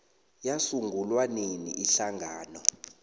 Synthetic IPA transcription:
jasuŋʱulwaninḭʔiɬaŋʱaːnɔ

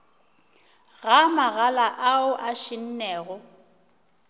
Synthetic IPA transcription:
ɣamaɣalaʔaʊʔaʃɪn̩nɛːɣʊ

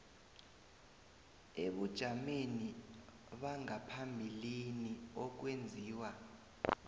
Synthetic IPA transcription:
eɓud̥ʒ̥ʱameni | ɓaŋapʰambʱiliniɔk̬wend͡zʱiːwa

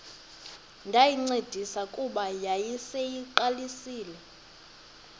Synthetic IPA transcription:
ŋɡʱajiŋ͡ǀed̥ʱisakʼuɓajajisejiǃalisiːlɛ

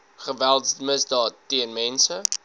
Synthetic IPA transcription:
χəvælˠtsməsdɑːtːiənmɛnsə

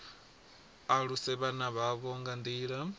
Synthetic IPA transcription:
aɺusɛβanaβaβɔŋɡand̪iːɺa

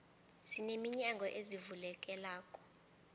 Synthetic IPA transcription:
sinemiɲaŋɡʱɔʔezivulɛk̬ʼɛlaːkʼɔ̥

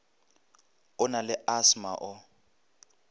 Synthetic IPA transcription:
ʊnalɪʔasmaʔʊ

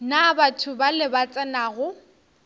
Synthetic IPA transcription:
nabatʰʊbalɪbat͡sʼɛnaːɣʊ

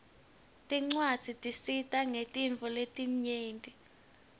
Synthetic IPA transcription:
tʼiŋ͡ǀwad̥z̥ʱitʼisitʼaŋetʼiɱvʱɔletʼim̩ɲeːntʼi

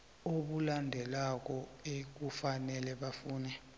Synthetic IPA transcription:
oɓulandʱɛlak̬ɔek̬ufanɛlɛɓafuːnɛ

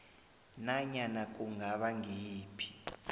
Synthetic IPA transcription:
naɲanak̬ʼuŋɡaɓaŋʱiːpʰi̥

